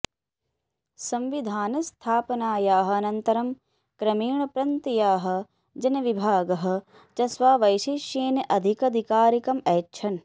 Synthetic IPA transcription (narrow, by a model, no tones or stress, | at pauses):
sɐmʋid̪ʱaːnɐst̪ʰaːpɐnaːjaːɦɐ̆ɐnɐnt̪ɐɾɐm | kɾɐmiːɳɐpɾɐnt̪ijaːɦɐ̆ | d͡ʒɐnɐʋibʱaːɡɐɦɐ̆ | t͡ʃɐsʋaːʋɐjʃiʃjeːnɐʔɐd̪ʱikɐd̪ʱikaːɾikɐmɐːt͡ʃʰɐn